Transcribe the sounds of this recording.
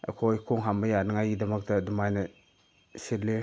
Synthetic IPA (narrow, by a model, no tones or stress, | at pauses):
ɐ̰kʰojkʰoŋɦambɐjanɐŋajɡidɐmɐk̚tɐdumajnɐ | sile